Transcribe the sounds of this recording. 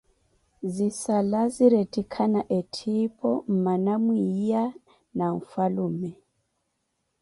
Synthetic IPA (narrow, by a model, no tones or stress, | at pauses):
zisalaziɾetʼikʰanaʔɛtʰipʰɔm̩manamwia | naɱfaluːmɛ